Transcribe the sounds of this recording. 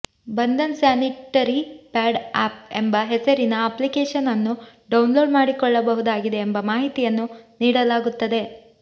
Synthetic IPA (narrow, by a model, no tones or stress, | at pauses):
bɐnd̪ɐnsaːniʈːɐɾipaːɖaːp̚e̞̰mbɐɦesɐɾinɐɐplikeːʂɐnɐnːuɖɐwnlo̞ːɖmaːɽikɔɭːɐbɐɦud̪aːɡid̪e̞ːmbɐmaːɦit̪ijɐnːuniːɽɐlaːɡut̪ːɐd̪e̞